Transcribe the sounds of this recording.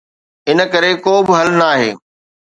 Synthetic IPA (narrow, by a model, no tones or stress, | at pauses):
ɪnə̆kɐɾekoːbɪɦɐlnaːɦḛː